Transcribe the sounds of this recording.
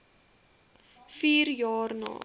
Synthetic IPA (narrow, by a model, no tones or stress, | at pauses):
fiːrjɑːrnɑ̰ː